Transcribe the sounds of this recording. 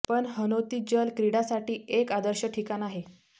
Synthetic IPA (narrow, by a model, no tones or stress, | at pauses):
pəɳɦənot̪iːd͡ʑəlkɾiɽasaʈiːekad̪əɾɕəʈʰikanaɦe